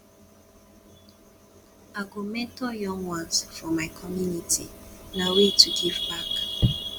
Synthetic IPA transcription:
aɡomɛ̃ntojɔ̃ŋwãnsfɔmaɪkʰɔmjunitʰḭnawetʰuɡivbak

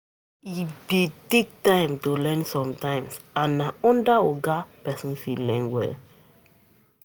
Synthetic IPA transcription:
ibitek̚tãɪ̃mtolɛ̃nsɔ̃mtãɪ̃msãnːaɔ̃ndaɔɡapɛsĩnfilɛ̃nwɛ̰l

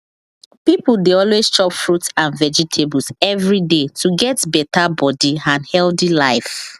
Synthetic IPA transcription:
pipldeɔlwest͡ʃɔpfɹutãnvɛd͡ʒitʰebulsɛvɹidetʰuɡɛtbɛtabɔdiãnhɛldilaɪf

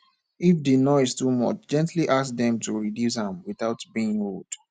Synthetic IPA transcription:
ifdinɔɪztumʌ̰t͡ʃd͡ʒɛ̃ntʰliʔas̚dɛ̃mtʰuɹidjusãmwiθaʊtbiɪ̃ŋold̥

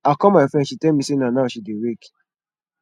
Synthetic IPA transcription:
akɔ̃maɪfɾɛ̃nʃitɛlmĩsenanaʃideɾek

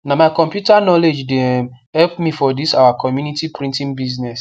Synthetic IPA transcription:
namaɪkɔ̃mpjutanɔled͡ʒdehɛlpmifɔdisawakʰɔmjunitipɹĩntĩnbiznɛs

